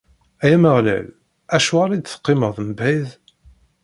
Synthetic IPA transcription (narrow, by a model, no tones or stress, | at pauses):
æjæməʁlæ̰l | æʃuʁaɾid̪θə̥qːɪməʁðˤəmbæð